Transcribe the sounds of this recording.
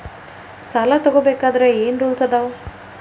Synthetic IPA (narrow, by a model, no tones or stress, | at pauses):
salat̪ɔɡobeːkaːd̪ɐɾeeːnɾuːlsɐd̪aʋo